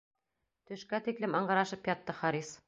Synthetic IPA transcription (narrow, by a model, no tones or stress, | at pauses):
t̪ɵ̆ʃkæt̪iklɘmɑɴɢɑ̆ɾɑʃɤpjɒt̪ːɤχɑɾis